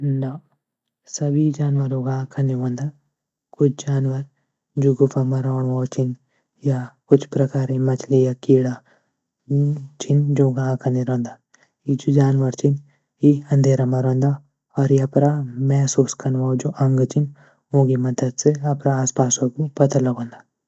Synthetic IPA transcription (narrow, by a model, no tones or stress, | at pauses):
na | sɐbʱid͡ʒaːnʋəɾoɡakʰɐneɦõːnd̪a | kʊt͡ʃʰd͡ʒaːnʋəɾ | d͡ʒoɡʊpamaɾɔːɽʋaːt͡ʃɪn | jakʊt͡ʃʰpɾɐkaːɾemɐt͡ʃʰlijakiːɽa | t͡ʃɪnd͡ʒoːɡãkʰɐneɾõːnd̪aː | id͡ʒud͡ʒaːnʋəɾt͡ʃɪn | iɐ̃nd̪ʱeːɾamaɾõːnd̪a | ɔːɾjɐpɾamɛːsuːskɐnʋad͡ʒoʔɐ̃ŋɡt͡ʃɪn | õːɡimɐd̪əd̪seɐpɾaaːspaːsokupɐt̪alɐɡõːnd̪aː